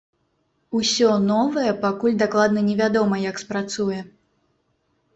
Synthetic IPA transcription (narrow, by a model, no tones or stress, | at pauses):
usʲɔnɔvɐjɛpakulʲd̪aklˠad̪nɐnʲɛvʲad̪ɔmɐjɐkspɾat̪sujɛ